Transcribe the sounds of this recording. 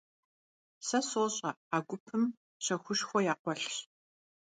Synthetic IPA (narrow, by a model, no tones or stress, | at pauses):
sɐsoːɕʼɐaːɡʷʊpʰɨm | ɕɐxʷʊʃxʷɔjaːqʷɔɬɕ